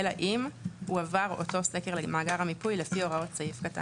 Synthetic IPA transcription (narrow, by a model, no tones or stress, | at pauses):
elaʔimhuavaʁoto̞sekeʁlemaːɡaʁhamipujlefio̞ʁao̞tt͡saifkata̰